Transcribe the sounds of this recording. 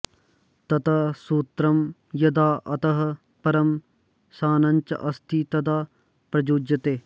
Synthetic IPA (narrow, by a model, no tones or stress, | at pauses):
t̪ɐt̪ɐsuːt̪ɾɐmjɐd̪aːʔɐt̪ɐɦɐ̆ | pɐɾɐm | saːnɐ̃nʲt͡ʃɐ̰ʔɐst̪ʰit̪ɐd̪aː | pɾɐd͡ʒuːd͡ʒɐt̪eː